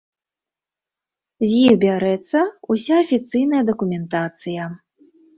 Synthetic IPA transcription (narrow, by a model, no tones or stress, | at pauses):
zʲjiɣbʲaɾɛt̪sːɐusʲaːfʲit̪sɨjnɐjɐd̪ɐkumʲɛnt̪at̪sɨjɐ